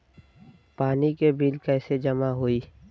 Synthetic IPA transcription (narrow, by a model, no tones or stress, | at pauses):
paːnikebiːlkɛːsed͡ʒəmaɦoiː